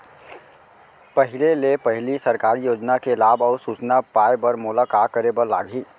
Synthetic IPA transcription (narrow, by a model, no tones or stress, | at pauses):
pəɦɪlelepəɦɪlisəɾkaːɾijoːd͡ʒnakelaːbɔːɾsut͡ʃnapaːebəɾmʊlakaːkəɾebəɾla̰ːɡʱiː